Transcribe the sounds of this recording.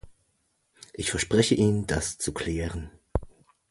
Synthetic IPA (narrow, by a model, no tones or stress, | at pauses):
ʔɪçfɛɐʃpʁ̥ɛçəʔiːndast͡sukʰl̥ɛːʁən